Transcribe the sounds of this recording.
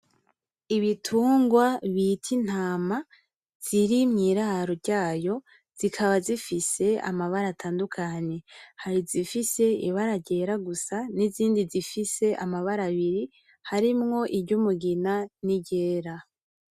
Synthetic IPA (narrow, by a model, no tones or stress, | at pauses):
iβitʰuːŋɡwaβitʰin̥haːma | z̥iɾimŋiːɾaɾoɟaːjo̞ | z̥ikʰaβazifise̞a̰maβaɾatʰaːndukʰaɲe̞haɾizifise̞ḭβaɾaɟe̞ːɾaɡusaniziːndizifise̞ʔamaβaɾaβiɾi | haɾimŋo̞ʔibɟumuɡinaniɟe̞ːɾa